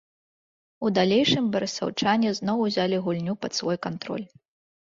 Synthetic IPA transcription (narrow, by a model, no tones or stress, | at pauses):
ud̪alʲejʂɨmbɐɾɐsa̰wt͡ʂanʲɛznɔwuzʲalʲiɣulʲnʲupɐt̪svɔjkant̪ɾɔ̰lʲ